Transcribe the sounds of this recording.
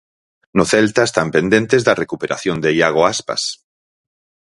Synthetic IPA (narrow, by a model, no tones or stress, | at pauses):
noθɛlt̪aest̪ampend̪ent̪ezðɐrekupeɾʔa̰θjond̪ejaɣ̞oaspa̰s